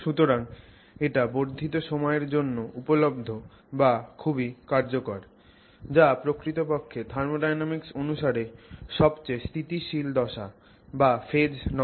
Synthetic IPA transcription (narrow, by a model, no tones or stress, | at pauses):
ʃut̪oɾaŋ | eʈaboɾd̪ʱit̪oʃɔmɔeɾd͡ʑonːoupolob̚d̪ʱo | bakʰubikaɾd͡ʑokoɾ | d͡ʑapɾokɾit̪opokʰːed̪ʱaɾmoɖajnamiksonuʃaɾeʃɔbt͡ɕest̪ʰit̪iʃild̪ɔʃa | bafed͡ʑnɔ